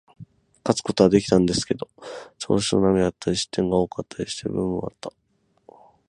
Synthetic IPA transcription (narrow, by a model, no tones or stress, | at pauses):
kat͡sɨ̥ko̞t̪o̞βad̪e̞kʲi̥t̪ãnd̪e̞sɨ̥ke̞d̪o̞t͡ɕo̞̰ːɕino̰namʲiat̪ːaɾʲiɕi̥t̪ːẽ̞ŋɡao̞ːkat̪ʰːaɾʲiɕi̥t̪e̞̰bɯ̟̃m̃ɯ̃a̰t̪ːa